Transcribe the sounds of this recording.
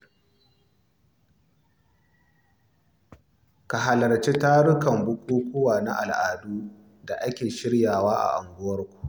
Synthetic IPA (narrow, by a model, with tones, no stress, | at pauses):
ka˨ɦa˨lɐ˨rt͡ʃe˦taː˦ɽʊ˦kɐ˨mbʊ˦kʷuː˦kʷoː˦waː˨na˦ʔa˨lʔaː˨duː˦ | da˨ʔa˦kʲeː˨ʃɪ˦ɽjaː˨waː˦ʔa̰˨ʔa˨ŋɡʷʊ˦wɐ˦rkʷu̥˨ʔ